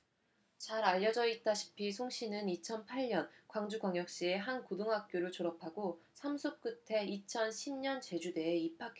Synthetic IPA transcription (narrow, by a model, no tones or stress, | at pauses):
t͡ɕaɾaʎːʌd͡ʑʌit͈aɕʰi̥pʰisʰoŋɕ͈ʰinɯnit͡ɕʰʌnpʰaɭɲʌnkwaŋd͡ʑuɡwaŋjʌk̚ɕ͈ie̞ɦankodoŋɦak̚k͈joɾɯɭt͡ɕoɾʌpʰaɡosʰamsʰok̚k͈ɯtʰe̞it͡ɕʰʌnɕʰimɲʌnt͡ɕe̞d͡ʑude̞ːipʰak͈ʰe